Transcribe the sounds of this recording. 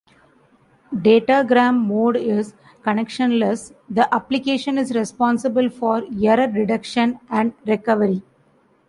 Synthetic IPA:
ɖeːʈaɡɾæ̃ːmːoːɖɪz | kɐnɛkʃə̃nləsd̪əʔæplɪkeːʃə̃nɪzɾɛspɔ̃ːnsɪbəlfɔːɾjəɾəɾɖɪɖɐkʃə̃næ̃ɳɖɾɛkʌʋəɾi

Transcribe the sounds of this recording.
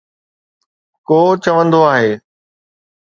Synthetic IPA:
koːt͡ɕɐʋə̃nd̪oaːɦeː

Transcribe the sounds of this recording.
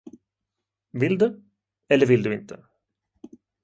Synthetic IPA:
vɪld̪ʉ | ɛlːəɾvɪld̪ʉɪnt̪ʰə

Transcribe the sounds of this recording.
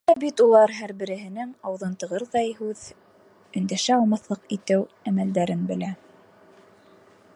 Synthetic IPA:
æbit̪ulˠɑɾɦæɾbɘ̆ɾɘ̆ɦɘ̆nɘŋɑwðɤnt̪ɤ̆ʁɤɾðɑjhʉð | ɵ̆nd̪æʃæɑlˠmɑθlˠɤqit̪ɘwæmæld̪æɾɘnbɘ̆læ

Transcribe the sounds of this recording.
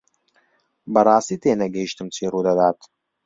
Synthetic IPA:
bɐɾaːsit̪eːnɐɡɛjʃt̪ɨmt͡siɾud̪ɐd̪aːt̪

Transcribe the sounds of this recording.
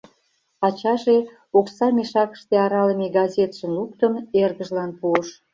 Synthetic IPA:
ɑt͡ɕɑʒe | oksɑmeʃɑkə̥̆ʃt̪eɑɾɑləmeɡɑzʲet̪ʃə̆nluk̚t̪əmerɣəʒlɑnpuəʃ

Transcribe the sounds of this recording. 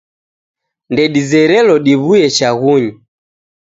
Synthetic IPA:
ndɛɗizɛɾɛlɔɗiβuɛt͡ʃaɣuɲi

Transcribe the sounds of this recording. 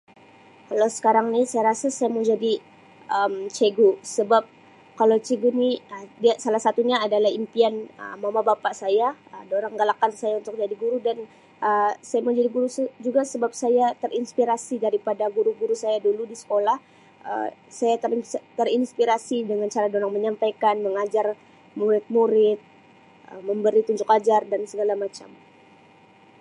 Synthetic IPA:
kalowsə̥kaɾaŋnisajaɾasasajaməd͡ʒadi | ʔəmt͡ʃeɡusəbap̚ | kalot͡ʃeɡuniədiasalahsat̪uɲaːdalahimpianə̰mamabapaʔsajaədoɾaŋɡalakansajaunt̪ʊk̚d͡ʒadiɡuɾudan | ʔəsajaməd͡ʒadiɡuɾusd͡ʒuɡasəbap̚sajat̪ərinspiɾasidaɾipadaɡuɾuɡuɾusajaduludisə̥kolah | ə̰sajat̪t̪ərinspiɾasidəŋant͡ʃaɾadoɾaŋməɲampajkanməŋad͡ʒar | muɾɪt̪̚muɾɪt̪̚ | ʔəməmbəɾit̪uɲd͡ʒʊkad͡ʒardansəɡalamat͡ʃa̰m

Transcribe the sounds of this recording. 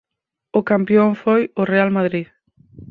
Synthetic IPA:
ʊkampjoŋfojʊrealmaðɾið

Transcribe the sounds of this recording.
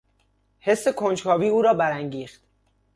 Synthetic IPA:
he̞sːe̞kʰont͡ʃkʰɒːviːuːɾɒːbæɾæŋɟiːxt̪

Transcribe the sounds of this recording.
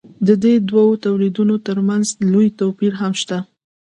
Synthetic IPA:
d̪əd̪ed̪wawot̪awlid̪unot̪əɾmanzlojt̪opiɾɦamʃt̪a

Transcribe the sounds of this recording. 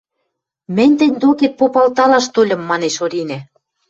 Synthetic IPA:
mɘ̆nʲt̪ɘ̆nʲd̪oket̪̚popɑlt̪ɑlɑʃt̪olʲɤ̆mːɑneʃoɾʲinæ

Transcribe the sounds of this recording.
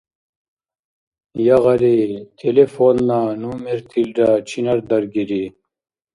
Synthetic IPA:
jɐʁɐɾit̪ʰelefoːnːanuːmeɾt̪ʰilɖat͡ɕʰinɐɾd̪ɐɾɡiɾi

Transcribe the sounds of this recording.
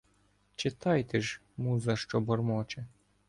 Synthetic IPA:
t͡ʃɪt̪ɑjt̪eʒ | muzɐʃt͡ʃɔbɔrmɔt͡ʃɛ

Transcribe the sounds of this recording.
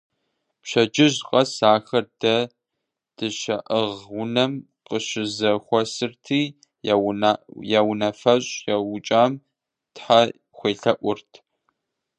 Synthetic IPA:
pɕɐd͡ʒɪʑqʼɐsaːxɐrdɐ | d̥ɨʃɐʔəʁʊnɐm | qəɕɪzɐxʷɔsɨrtʰiː | jawnɐfɐɕʼjawʊt͡ʃʼaːm | tħa | xʷeːɬɐʔʷʊrtʰ

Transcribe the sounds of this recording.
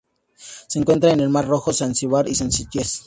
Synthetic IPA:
seeːŋkwe̞nt̪ɾaene̞lmaɾro̞xo̞sansiβaɾisensiʝes

